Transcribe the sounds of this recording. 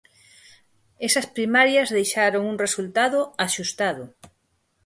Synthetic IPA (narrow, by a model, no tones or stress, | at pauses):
esɐspɾimaɾjɐzðejʃaɾoŋuŋresult̪aðʊaʃust̪aðʊ